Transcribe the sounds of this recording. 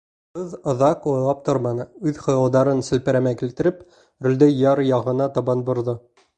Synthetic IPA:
qɤðŏðɑqujlˠɑp̚t̪oɾmɑnɤʉðχŏjɑlˠd̪ɑɾɤnsɘ̆lpɘ̆ɾæmækilt̪ɘ̆ɾɘp | ɾɵ̆ld̪æjɑɾjɑʁɤ̆nɑt̪ɒbɑnbŏɾðɤ

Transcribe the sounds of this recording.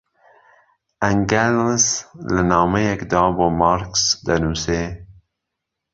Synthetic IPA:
aŋɡalslənɑːmejakd̪ɑːbomɑɾksd̪anuse

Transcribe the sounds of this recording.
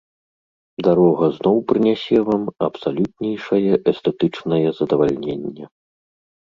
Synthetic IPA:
d̪aɾɔɣɐznɔwpɾɨnʲasʲɛvamɐpsalʲut̪̚nʲɛjʂɐjɛʔɛst̪ɛt̪ɨt͡ʂnɐjɛzɐd̪ɐvalʲnʲenʲːɛ

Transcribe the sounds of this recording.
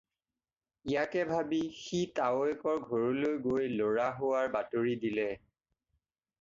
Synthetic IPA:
ijakɛbʱabixitaoɛkɔɹɡʱoɹolojɡojloɹaɦowaɹbatoɹidilɛ

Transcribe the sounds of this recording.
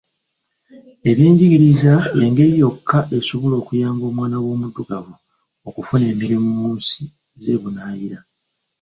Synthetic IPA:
e̞βjiːɲɟiɡiɾizaeŋɡe̞ɾijo̞kːaʔe̞suβulo̞ːkujaːmɡo̞ːmwaːnawo̞ːmuduɡavu | okufune̞ːmiɾimumuːnsi̥ | ze̞βunaːjiɾa

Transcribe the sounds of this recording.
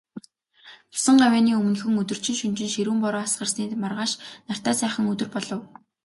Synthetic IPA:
ʊ̥sə̆ɴɢawʲæːniːɵm̆nɵ̆xɵ̆ŋɵt̪ɵ̆r̥t͡ɕɪ̆nʃɵnt͡ɕɪ̆nʃeɾuːmpɔɾɔːasɢə̆rsniːt̪marʁaːʃnar̥t̪aːsæːχə̆ŋɵt̪ɵ̆rpɔɮɞ̆w

